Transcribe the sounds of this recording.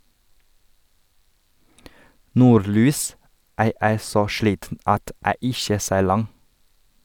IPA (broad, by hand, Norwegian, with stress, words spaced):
ˈnuːɾˌlyːs ˈæː ˈeːɾ ˈsoː ˈʃliːtn̩ ˈɑt ˈæː ˈɪçə ˈseːɾ ˈlɑŋ